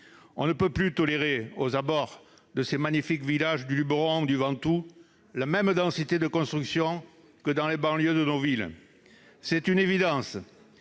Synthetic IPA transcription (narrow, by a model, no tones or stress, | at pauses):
ɔ̃nəpøplyt̪ɔleʁeozabɔʁ | d̪əsemaɲifikvilaʒd̪ylybʁɔ̃d̪yvɑ̃t̪u | lamɛmd̪ɑ̃sit̪ed̪əkɔ̃st̪χyksjɔ̃ | kəd̪ɑ̃lebɑ̃ljød̪ənovil | sɛt̪ynevid̪ɑ̃s